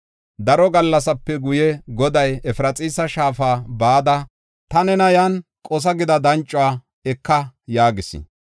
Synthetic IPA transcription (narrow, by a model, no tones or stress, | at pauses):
d̪ɐɾɔɡɐlːɐsɐpːɛɡʊjɛɡɔd̪ɐjɛfɾɐt͡sʼiːsɐʃaːfaːbaːd̪ɐ | t̪ɐnɛnɐjankʼɔs̬ɐɡɪd̪ɐd̪ɐnt͡ʃʼːʊaː | ɛkːɐjaːɡɪsɪ̰